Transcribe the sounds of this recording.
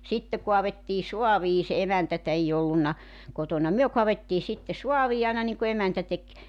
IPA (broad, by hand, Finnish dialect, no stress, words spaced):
sitːe koɑʋetːiː soɑʋiː se emæntætæ ei olːunːɑ kotonɑ myø koɑʋetːiː sitːe suɑʋiː ɑinɑ niŋku emæntæ tek